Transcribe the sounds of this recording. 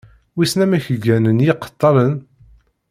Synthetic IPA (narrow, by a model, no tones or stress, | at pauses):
wisnæmæçəɡænənjiqːə̥t̪ˤːɑɾən